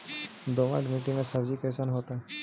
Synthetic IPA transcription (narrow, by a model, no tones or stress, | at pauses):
d̪oma̰ɖmiʈimẽsəbd͡ʒikɛsanɦoːt̪aɦɛ